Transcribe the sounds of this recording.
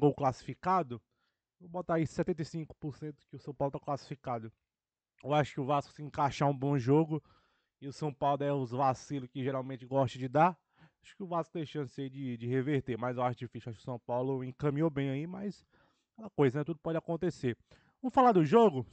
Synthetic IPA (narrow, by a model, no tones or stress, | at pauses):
ɡowklasi̥fikad̪ʊ | vobɔt̪aisɛt̪ẽnt̪ejsĩkʊ̥poɾsẽt̪ʊ̥kɪʊsɐ̃w̃pawlʊt̪aklasi̥fikad̪ʊ | ewaʃʊ̥kɪʊvaskʊ̥sɪẽŋkaʃaũbõʒoɡʊ | ɪʊsɐ̃w̃pawlʊɛʊzvasilʊkɪʒeɾawmẽnt͡ʃɪɡɔʃt̪ɐd͡ʒɪd̪a | aʃʊ̥kɪʊvaskʊt̪ẽj̃ʃɐ̃sɪaid͡ʒɪd͡ʒɪheveɾt̪emɐzewaʃʊd͡ʒifisiuaʃʊkɪʊ̥sɐ̃w̃pawlʊẽkɐ̃mĩowbẽj̃aimɐjs | kɛlɐkojzɐnɛt̪ud̪ʊpɔd͡ʒakõnt̪ese | vɐ̃mʊfalad̪ʊʒoɡʊ